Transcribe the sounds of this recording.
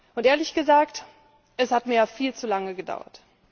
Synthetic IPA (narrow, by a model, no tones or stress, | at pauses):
ʔʊntʔeːɐlɪçɡ̥əzaːkt | ʔɛshatmiːɐjaːfiːlt͡sulaŋəɡəda̰ʊɐ̰t